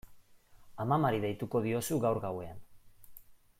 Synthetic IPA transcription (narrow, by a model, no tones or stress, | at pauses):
amamaɾiðejt̪uko̞ð̞io̞suɣawɾɣawe̞an